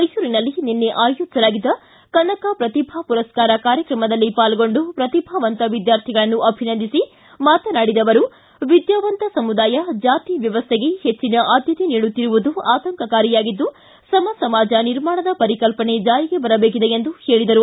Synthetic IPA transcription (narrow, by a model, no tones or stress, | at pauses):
mɐjsuːɾinɐlːinenːe̞ʔaːjud͡ʒsɐlaːɡid̪ːɐ | kɐnːɐkapɾɐt̪ibʱapuɾɐskaːɾɐkaːɾjɐkɾɐmɐd̪ɐlːipaːlɡo̞ɳɖupɾɐt̪ibʱaːʋɐnt̪ɐʋid̪jaːɾt̪ʰiɡɐɭɐnːuʔɐbʱinɐnd̪isi | maːt̪ɐnaːɽid̪ɐʋɐɾu | ʋid̪jaːʋɐnt̪ɐsɐmud̪aːjɐd͡ʒaːt̪iʋjɐʋɐst̪ʰeɡe̞het͡ʃːinɐʔaːd̪ʱjɐt̪eniːɽut̪ːiɾuʋud̪uaːt̪ɐŋkɐkaːɾijaːɡid̪ːu | sɐmɐsɐmaːd͡ʒɐniɾmaːɳɐd̪ɐpɐɾikɐlpɐɳe̞d͡ʒaːɾiɡe̞bɐɾɐbe̞ːk̬id̪e̞end̪uhe̞ːɭid̪ɐɾu